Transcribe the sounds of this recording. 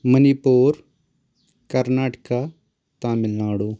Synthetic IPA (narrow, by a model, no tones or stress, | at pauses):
məniːpoːɾ | kəɾnaːʈkaː | t̪ãmɪlnãːɽoː